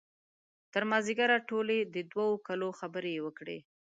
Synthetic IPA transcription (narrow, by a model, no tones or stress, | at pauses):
t̪əɾmɑziɡaɾaʈoled̪əd̪waokaloxabəɾewəkɽḛ